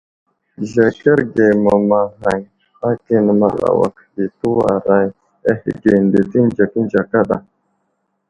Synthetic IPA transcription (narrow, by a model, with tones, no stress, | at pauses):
ɮe˨ke˦ɾɡe˨ma˨ma˨ɣa˨j | xa˦ki˦n˨ma˦la̰˨wa̰˨ki˨tu˦wa̰˨ɾa˦j | a˦xḭ˨ɡe˨nde˨ti˦nd͡ʒa˨ki˦n˦d͡ʒa˨ka˦ɗa˨